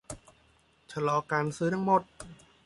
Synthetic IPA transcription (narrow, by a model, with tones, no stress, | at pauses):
t͡ɕʰa˧lɔː˧kaː˧nsɯː˦˥t̪ʰa˧ŋmo˨˩t̪̚